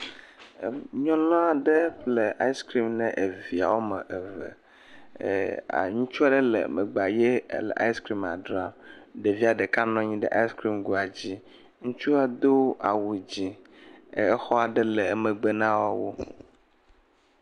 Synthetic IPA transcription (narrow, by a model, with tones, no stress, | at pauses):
ɲɔ̃˦lɔ̃˦a˨ɖe˦ɸle˨ʔa˦i˦skɾi˦mnɛ̃˨ʔe˨vi˨a̰˨wo˦mɛ̃˨ʔe˨vɛ̰˨ | a̰˨ɲũ˦t͡ʃu˦a˦ɖɛ˦lḛ˨me˨ɡ͡ba˨jḛ˦lḛ˨ʔa̰˦i˦skɾi˦ma̰˨ɖɾa˨ɖe˨vi˦a˨ɖe˨ka˦nɔ̃˦ɲĩ˦ɖɛ˦ʔa˦i˦skɾi˦mɡu˨a˨d͡ʑi˦ | ŋũ˦t͡ʃu˦a˦d̪o˦a˨wu˨d͡ʑi˨˦ | ɛ˦xɔ˦a˨ɖɛ˦le˨me˨ɡ͡be˦nã˦wo˦wo̰˦